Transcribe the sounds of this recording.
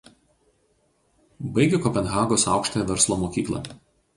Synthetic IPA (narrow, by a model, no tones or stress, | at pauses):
bɐɪɡʲɛkɔpʲɛnɣɑːɡoːsɑˑʊkʃt̪oːjɛʋʲɛɾslˠomoːkʲiːklˠɐ̰ˑ